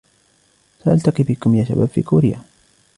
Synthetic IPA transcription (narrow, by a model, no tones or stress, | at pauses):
saʔalt̪aqibɪkʊmjaːʃa̰ba̰ːbfḭːkuːɾɪja̰